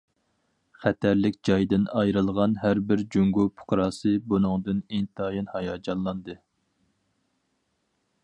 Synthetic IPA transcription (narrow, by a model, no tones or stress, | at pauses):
χɛt̪ʰæɾlɪkʲd͡ʒɑjd̪ɨnɑjɾɨlˠʁɑnɦæɾbɪɾd͡ʒyŋɡupʰʊ̥qʰɾɑːsɨbunɨŋd̪ɨnint̪ʰɑjɨnhɑjɑːd͡ʒɑnlˠɑnd̪ɨ